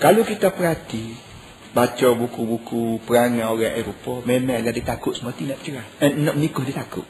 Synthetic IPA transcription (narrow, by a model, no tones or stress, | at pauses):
kalukit̪apəɾat̪i | bat͡ʃɔbukubukupəɾaŋãoɾaŋʔeɾopɔmemaŋladit̪akʊʔ̪̚səmat̪inaʔ̚t͡ʃəaənnɔʔmənikʊhdit̪akʊ̰ʔ̚